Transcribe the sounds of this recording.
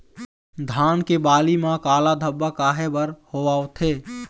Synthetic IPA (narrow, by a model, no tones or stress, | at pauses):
d̪ʱaːnkebaːlimãkaːlad̪ʱəbːakaːɦebəɾhoʋaːot̪ʰe